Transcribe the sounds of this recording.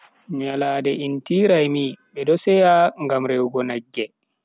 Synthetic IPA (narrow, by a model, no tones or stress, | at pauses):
ɲalaːdɛʔintiɾajmiɓɛdɔsɛjaŋɡamɾewɡɔnaɡːɛ